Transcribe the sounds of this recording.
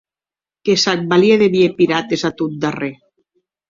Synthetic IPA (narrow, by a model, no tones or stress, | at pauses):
kesak̚balieðeβiepiɾat̪ezat̪ut̪̚d̪are